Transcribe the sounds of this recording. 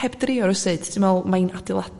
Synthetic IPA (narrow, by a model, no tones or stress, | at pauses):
ɛbdrɪɔɾɔsɨːd̥tʰɪmɛlˠmajnadɪlˠad